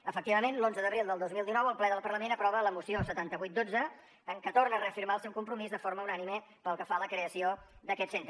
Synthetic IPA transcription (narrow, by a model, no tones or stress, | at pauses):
əfək̚t̪iβəmenlonzəðəβɾilˠd̪əlˠozmilˠd̪inɔwəlˠplɛðəlˠpərləmenəpɾɔβələmusiosət̪ant̪əβujt̪̚d̪od͡zəː | ŋkət̪ornərəəfiɾmaəlˠsɛwkumpɾumizðəfoɾməunanime | pəlˠkəfaləkɾeəsiod̪əkɛt̪sent̪ɾ